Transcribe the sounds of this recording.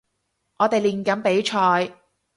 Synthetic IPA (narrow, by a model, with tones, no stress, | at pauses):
ŋʔɔː˨˧t̪e˨jliː˨˩nkɐ˨˥npe˨˥jt͡ʃʰɔː˧j